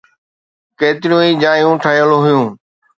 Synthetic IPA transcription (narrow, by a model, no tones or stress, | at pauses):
keːt̪ɪɾijũːiːd͡ʑaːjũːʈʰəjəloɦʊjũː